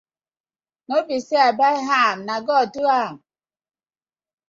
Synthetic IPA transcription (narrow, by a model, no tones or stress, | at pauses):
nobiseabaɦamnaɡɔduam